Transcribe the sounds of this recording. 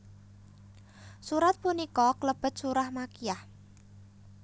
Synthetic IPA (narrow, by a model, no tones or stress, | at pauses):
suɾat̪̚punikɔkləb̥ə̤t̪̚suɾahmakiah